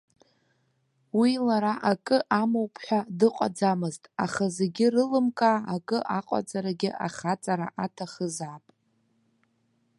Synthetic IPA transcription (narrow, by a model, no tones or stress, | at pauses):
wilaɾaʔakʼɨʔamowpʰħʷᶣadɨqʷʼa̰d͡zamɨztʼa̰χaze̞ɡʲɪrɨlɨmkʼaːkʼɨʔaqʼa̰d͡zaɾaɡʲɪʔaχat͡sʼaɾa̰ʔatʰaχəzapʼ